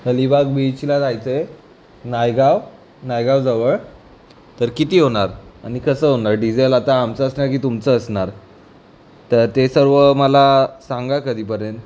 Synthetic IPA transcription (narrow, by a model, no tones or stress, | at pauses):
ɦəlibaɡbit͡ɕilad͡z̪ʱajt͡səe | najɡaʋ | najɡaʋd͡zəʋəɭ | t̪əɾkit̪iːɦoɳ̃aɾañikəsəɦonaɾɖid͡ʑelat̪aːmt͡səəsnaɾkiːt̪umt͡səːsɳaɾ | t̪əɾt̪esəɾʋəməlasãŋɡakəd̪ʱiːp̬əɾjənt̪